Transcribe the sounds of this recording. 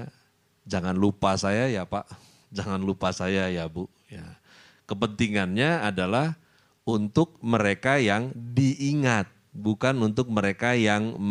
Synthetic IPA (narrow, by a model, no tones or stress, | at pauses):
d͡ʒaŋanlupasajajapaʔ | d͡ʒaŋanlupasajajabu | ja̰ | kəpənt̪iŋanɲaadalah | unt̪ʊk̚məɾekajaŋbiiŋat̪̚bukanunt̪ʊk̚məɾekajaŋm